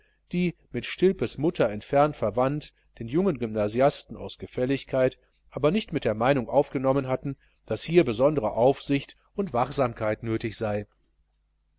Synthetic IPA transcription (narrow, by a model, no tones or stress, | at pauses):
d̥iːmɪtʃtɪlpəsmʊtʰɐɛntfɛɐntfɛɐvant | d̥eːnjʊŋənɡʏmnaːziastn̩a̰ʊsɡ̥əfɛlɪçkʰaɪt | ʔaːbɐnɪçtmɪt̚d̥eːɐmaɪnʊŋʔaʊfɡ̥ənɔmənɦatn̩ | d̥ashiːɐbəzɔndəʁəʔaʊfz̥ɪçt | ʊntv̥aχz̥aːmkʰaɪtnøːtɪçz̥aɪ